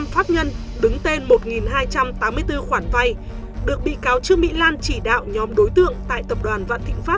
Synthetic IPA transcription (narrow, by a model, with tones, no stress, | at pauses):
mfaː˦˥p̚ɲə˧n | ɗɨ˨˦ŋt̪e˧nmo˨˩t̚ŋi˨˩nɦaː˧jt͡ɕa˧mt̪aː˨˦mːɨ˧əjt̪ɨ˧xwaː˧˩nva˧j | ɗɨ˨˩ək̚ɓḭ˧˨kaː˨˦wt͡ɕɨ˨˧˥əmḭ˧˥laː˧nt͡ɕi˧˩ɗa̰ː˧˨wɲɔ˨˦mɗo˨˦jt̪ɨ̰˧˨əŋt̪a̰ː˧˨jt̪ə˨˩p̚ɗwaː˨˩nva̰ː˧˨nt̪ʰḭ˧˨ŋ̟faː˦˥p̚